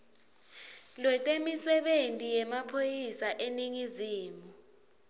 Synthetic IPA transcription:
lwɛtʼemisɛɓentʼijɛmapʰojisaʔeniŋiziːmu

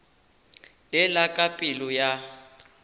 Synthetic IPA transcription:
lɛlakʼapʼilʊja

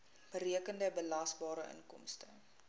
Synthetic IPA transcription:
b̥əɾiəkəndəbəlɐsbɑːɾəʔə̰nkɔ̰mstə̰

